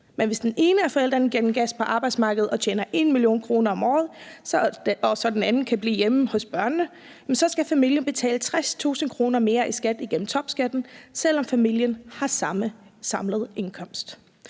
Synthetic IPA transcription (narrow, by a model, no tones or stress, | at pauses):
menʋe̝sd̥ene̝ːnəæɐfɒ̽el̰d̥ʁɐnɡ̥en̰m̩ɡ̥æspʰɒ̽ʔɑ̈b̥ɑ̈ɪd̥smɑ̈ːɡ̥ð̩ˠɒ̽t͡ɕʰeːnɐʔe̝nmiljo̝̰ːnkʰʁo̝ːnɐɒ̽mɒːð̞̩ˠ | ɒsɒ̽d̥enænn̩kʰæb̥liːjeməhɔ̽sb̥ɶɐnːə | esɒ̽sɡ̥æfæmil̰jənb̥e̝t͡sʰɛ̰ːlət͡sʰʁast͡sʰṵːsn̩kʰʁo̝ːnɐme̝ːɐʔisɡ̥æd̥iɡ̥en̰m̩t͡sʰɒ̽b̥sɡ̥æd̥n̩sel̰ɒ̽mfæmil̰jənhɑ̈sɑ̈məsɑ̈mləð̞̩ˠe̝nkʰɒ̽m̰sd̥